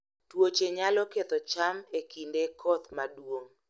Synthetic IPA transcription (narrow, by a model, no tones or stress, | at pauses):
twot͡ʃeɲalɔket̪ɔt͡ʃamekindekʰɔt̪madwoŋ